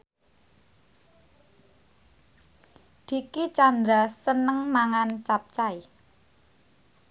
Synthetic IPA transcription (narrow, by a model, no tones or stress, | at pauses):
d̪̥i̤kit͡ʃand̪ɾasənəŋmaŋant͡ʃap̚t͡ʃai